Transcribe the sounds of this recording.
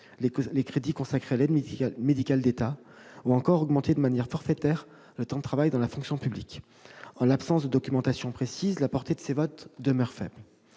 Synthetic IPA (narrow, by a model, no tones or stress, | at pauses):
lekχed̪ikɔ̃sakχealɛd̪med̪ikʲald̪et̪a | uɑ̃kɔʁɔɡmɑ̃t̪ed̪əmanjɛʁfɔʁfet̪ɛːʁ | lət̪ɑ̃d̪ət̪χavajd̪ɑ̃lafɔ̃ksjɔ̃pyblik | ɑ̃lapsɑ̃sd̪əd̪ɔkʲymɑ̃t̪asjɔ̃pχesizlapɔʁt̪ed̪əsevɔt̪d̪əmœʁfɛ̰bl